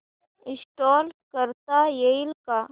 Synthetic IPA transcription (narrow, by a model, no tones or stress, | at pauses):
ɪsʈoːlkəɾt̪ajeɪlka